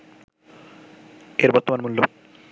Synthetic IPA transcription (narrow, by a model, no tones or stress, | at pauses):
eɾbɔɾt̪omanmulːo